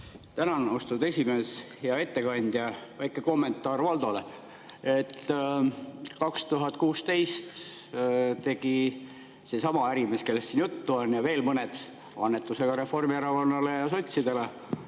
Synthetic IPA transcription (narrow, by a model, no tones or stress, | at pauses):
t̪ænɑno̞st̪ud̪e̞sʲime̞sheɑe̞t̪ːe̞kɑnʲd̪̥jɑvæjkːˑeko̞mːe̞nt̪ːˑɑːrvɑld̪̥ole̞ | e̞t̪ː | kɑkst̪uɦɑt̪ːˑkuːst̪e̞jst̪ | t̪e̞ɡ̥i | se̞sɑmɑæɾimeske̞lːest̪sinjut̪ːuonjɑve̞ːlmɤne̞d̪̥ | ɑnːet̪ːˑuse̞ɡ̥ɑɾe̞fo̞rmiæɾɑvɑnːɑlejɑso̞t̪ʲsid̪e̞le̞